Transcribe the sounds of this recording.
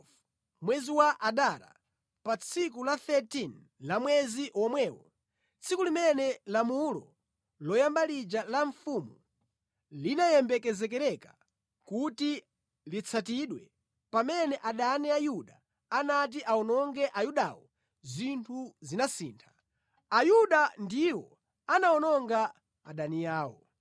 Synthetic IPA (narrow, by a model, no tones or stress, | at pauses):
mwɛziwaʔaɗaɾa̰ | pat͡sʰikulaθɛtin | lamwɛziʔɔmwɛːwɔ̰ | t͡sʰikulimɛnɛlamulɔ̰ | lɔjambalid͡ʒalaɱfumu | linajɛmbɛkɛzɛkɛɾɛkḁ | kuti | lit͡sʰatiɗwɛ | pamɛnɛʔaɗanɛajuɗa | anat̬iʔaɔnɔŋɡɛʔajuɗa̰wɔ | zintʰuzinasiːntʰḁ | ajuɗandiwɔ | anaɔnɔŋɡa | aɗanijaːwɔ̰